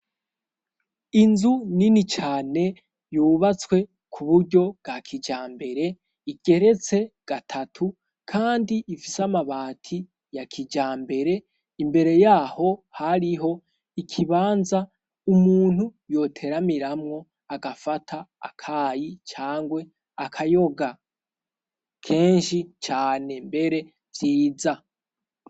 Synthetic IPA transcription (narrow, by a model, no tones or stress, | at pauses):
inzuninit͡ʃaːne̞ | juːβat͡skwe̞ | kʰuβuɾɟo̞b̚ɡakʰid͡ʒaːmbe̞ɾe̞ | iɡ̥e̞ɾe̞t͡se̞ɡ̥atʰatʰu | kʰaːndiifisamaβaːtʰi | jakʰid͡ʒaːmbe̞ɾe̞ | imbe̞ɾe̞jaːho̞haɾiɦo̞ | ikʰiβaːnza | umuːn̥hujo̞tʰe̞ɾamiɾamŋo̞ | aɡafatʰa̰ːkʰaːjit͡ʃaːŋɡwe̞ | akʰajo̞ɡa | kʰe̞ːnʃit͡ʃaːne̞mbe̞ɾe̞ | viːd͡za